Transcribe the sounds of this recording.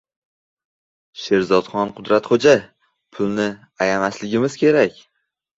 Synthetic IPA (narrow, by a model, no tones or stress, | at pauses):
ʃe̞ɾzɒd̪χɒnqʰʊd̪ɾat̪χod͡ʒa | pʰʊlˠnɪ | ajamaslɪɡʲɪmɪzkʲe̞ɾakʲ